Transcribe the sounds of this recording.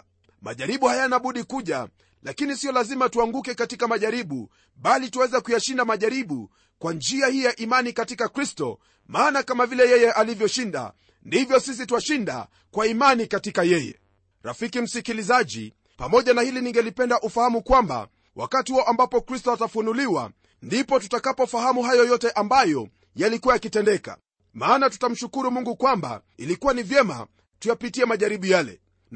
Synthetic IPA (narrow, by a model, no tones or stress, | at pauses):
ma̰ʄaɾiɓuhajanaɓuɗikuʄa | lakinisiɔlazimatuaŋɡukɛkatikamaʄaɾiɓu | ɓalituwɛzɛkujaʃindamaʄaɾiɓu | kwand͡ʒiahijaʔimanikatikakɾistɔ̰ | maːnakamavilɛjɛjɛʔalivjɔʃinda̰ | ndivjɔsis̬ituaʃinda̰ | kwaimanikatikajɛjɛ̰ | ɾa̰fikim̩sikilizaʄḭ | pamɔʄanahiliniŋɡɛlipɛndaʔufahamukwamba̰ | wʔa̰katihuɔʔambapɔkɾistɔatafunuliwa̰ | ndipɔtutakapɔfahamuɦajɔjɔtɛʔambajɔ | jalikuwajakitɛndɛka̰ | maːnatu̥tam̩ʃukuɾumuŋɡukwamba̰ | ilikuwanivjɛma̰ | tujapitiɛmaʄaɾiɓujalɛ̰